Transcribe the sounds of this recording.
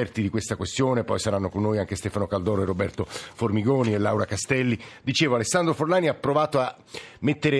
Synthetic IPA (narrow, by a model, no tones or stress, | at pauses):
ɛrt̪id̪ikwest̪akwest̪joːnepɔjsaɾanːokonːoːjaŋk̟est̪ɛːfanokald̪ɔːɾoerːobɛ̰rt̪oformiɡɔːnielːawɾakast̪ɛlːid̪it͡ʃeːvoalesːand̪ɾoforlaːniapːɾovaːt̪oa | mːet̪ːeɾe